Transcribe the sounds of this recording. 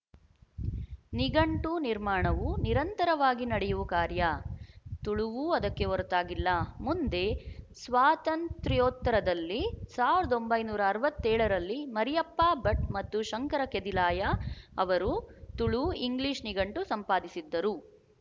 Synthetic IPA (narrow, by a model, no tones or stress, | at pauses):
niɡɐɳʈuniɾmaːɳɐʋuniɾɐnt̪ɐɾɐʋaːɡinɐɽɛjuʋukaːɾjɐt̪uɭuʋuɐd̪ɐkːe̞ʋoɾut̪aːɡilːɐmund̪e̞sʋaːt̪ɐntt̪ɾijoːt̪ːɐɾɐd̪ɐlːisaːʋiɾɐd̪o̞mbɐjnuːɾɐːɾɐʋɐt̪ːɛːɭɐɾɐlːimɐɾijɐpːaːbɐʈ̚mɐt̪ːuʃɐŋkɐɾɐked̪ilaːjɐɐʋɐɾut̪uɭuiŋɡliʃniɡɐɳʈusɐmpaːd̪isid̪ːɐɾu